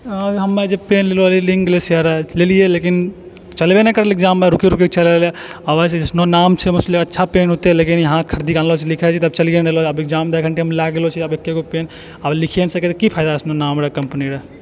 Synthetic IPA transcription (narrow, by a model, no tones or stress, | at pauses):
aɦɐmːed͡ʒepenlelolilĩŋɡlesəɾlelijelekin | t͡ʃəlbenekəɾelɪk̚d͡ʒameɾukiɾukikt͡ʃʰəleleɐbəsesnonaːmt͡ʃʰemɐslːikɐtːʃʰapenɦot̪elekinjɐɦãkʰəɾd̪ikãnlot͡ʃʰilikʰɛt͡ʃʰit̪ɐbt͡ʃəljeneloɐbɪk̚d͡ʒamd̪əkəɳʈeɦəmlaɡelot͡ʃʰiɐbekːekopeːn | ablikʰensəket̪kipʰaɪd̪aɐsnonaːmɾekəmpniɾe